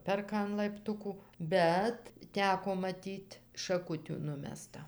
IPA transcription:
ˈpʲɛrkɐ ɐn lˠɐɪpˈtʊkʊ ˈbʲɛt ˈtʲæːkoː mɐˈtʲiːtʲ ʃɐˈkʊtʲuː ˈnʊmʲɛstɐ

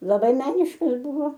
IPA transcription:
lˠɐˈbɐɪ ˈmʲæːnʲɪʃkɐs ˈbʊʋoː

